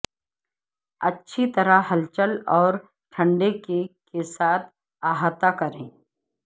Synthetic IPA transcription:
ɐtːʃʰit̪ɐɾaɦɐlt͡ʃəlɔːɾ | ʈʰə̃ɳɖekekesaːt̪̚ʰ | aːɦat̪akɐɾẽː

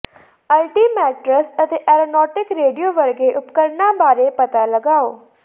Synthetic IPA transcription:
əlʈiːmɛːʈɾəsət̪eːʔɛːɾoːnɔːʈɪkɾeːɖijoːʋəɾɡeːʔʊpkəɾnãːbaːɾeːpət̪aːləɡaːoː

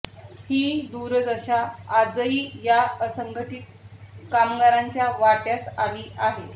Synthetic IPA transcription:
hiːd̪uɾd͡z̪əɕaːd͡zəiːjaəsəŋɡʱəʈiːt̪̚kamɡaɾaɲt͡ɕjaʋaʈjasaliːʔaɦe

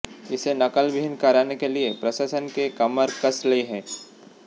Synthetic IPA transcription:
ɪsenɐkəlʋɪɦɪnkɐɾaːnekeliepɾɐʃaːsənkekɐməɾkəsliɦɛ̃ː

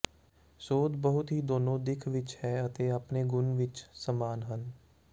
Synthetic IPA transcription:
soːt̪bəɦʊt̪ɦiːd̪oːnõːd̪ɪkʰʋɪt͡ʃhɛːət̪eːapneːɡʊnʋɪt͡ʃsəmaːnɦən

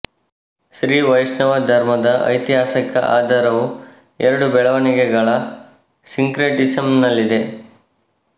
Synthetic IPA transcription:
ʃɾiːʋɐjʂɳɐʋɐd̪ʱɐɾmɐd̪ɐʔɐ̰jt̪iɦaːsɐkɐ̰ʔa̰ːd̪ʱɐɾɐʋu | ɛɾɐɽubɛɭɐʋɐniɡeɡɐɭɐ | siŋkɾeʈisɐmnɐlːid̪e̞

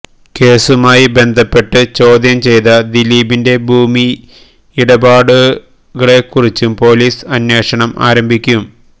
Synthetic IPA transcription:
ke̞ːsumaːjibe̞nd̪ʱɐpːe̞ʈːɨt͡ɕo̞ːd̪jɐmt͡ɕe̞jt̪ɐd̪iliːbinde̞bʱuːmi | iɽɐbaːɽu | ɣɐɭe̞kːurit͡ɕːumpo̞ːliːsɐnje̞ːʂɐɳɐma̰ːɾɐmbʱikʲːum

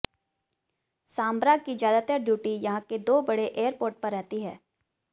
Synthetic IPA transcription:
saːmbɾaːɡ̚kid͡ʒjaːd̪at̪əɾɖjuːʈijɐɦãked̪oːbɐɽeʔeːəɾpoːɾʈ̚pɐɾːɛɦt̪iɦɛː

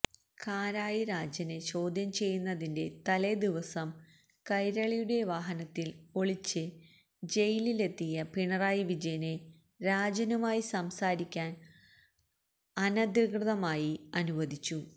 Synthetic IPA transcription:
kʰaːɾaːjiɾaːd͡ʑɐne̞t͡ɕo̞ːd̪ʱjɐmt͡ɕe̞jːunːɐðinde̞t̪ɐled̪iʋɐsɐm | kɐjɾɐɭijuɽe̞ʋaːɦɐnɐt̪ːilo̞ɭit͡ɕːɨ | d͡ʑe̞jilile̞t̪ːijɐpiɳɐraːjiʋid͡ʑɐjɐne̞ | ɾaːd͡ʑɐnumaːjisɐmsaːɾikʲːaːn | ɐnɐd̪iɡrɨðɐmaːjiɐnuʋɐd̪it͡ɕːu

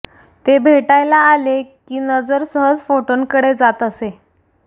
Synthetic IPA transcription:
t̪ebʱeʈajlaːlekiːnəd͡zəɾsəɦəd͡zfoʈonkəɽed͡zat̪əse

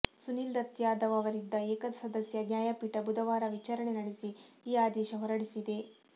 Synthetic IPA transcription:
sunild̪ɐt̪jaːd̪ɐʋɐʋɐɾind̪d̪ːɐeːkɐd̪ɐsɐd̪ɐsjɐd̪njaːjapiʈɐbud̪ɐʋaːɾɐʋit͡ʃaːɾɐɳenɐɽesi | iːaːd̪ɛːʃɐɦɔɾɐɽisid̪e̞

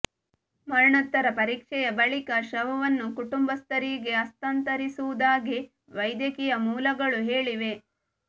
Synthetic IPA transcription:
mɐɾɳɐt̪ːɐɾɐpɐɾiːkʂɛjɐbɐɭikɐʃɐʋɐʋɐnːukuʈumbɐst̪ɐɾiːɡe̞ɐst̪ɐnt̪ɐɾisuʋud̪aːɡi | ʋɐjd̪jɐkijɐmuːlɐɡɐɭuɦeːɭiʋe̞

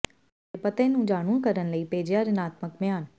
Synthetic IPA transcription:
epət̪ẽːnũːd͡ʒaːɽ̃ũkəɾənləiːpeːd͡ʒjaːɾɪnaːt̪məkmɪjaːn

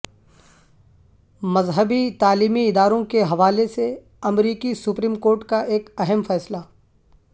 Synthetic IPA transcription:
mɐzɦəbit̪aːliːmiɪd̪aːɾõkeɦɐʋaːlese | ɐmɾiːkisʊpɾiːmkoːɾʈkaʔeːkɐɦəmfɛːsla

